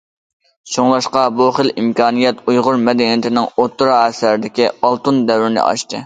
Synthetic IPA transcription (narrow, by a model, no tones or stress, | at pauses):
t͡ʃʰoŋlˠɑʃqɑboχəlimkʰɑːnijɛt̪ujʁʊɾmɛd̪ɛnijit̪ʰɪnɪŋot̪ʰːɾɑɛsæɾɪd̪ɪkʲiɑlˠt̪ɨnd̪ɛwɾɪnɪ̰ʔɑ̰ʃt̪ɨ